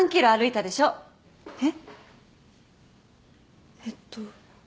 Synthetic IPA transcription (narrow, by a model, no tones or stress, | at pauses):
ŋkʲiɾo̞aɾɯ̟it̪ad̪e̞ɕo̞ː | e | et̪ːo